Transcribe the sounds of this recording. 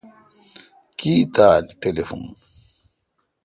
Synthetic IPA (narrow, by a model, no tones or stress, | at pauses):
kiːt̪aːlʈelefṵn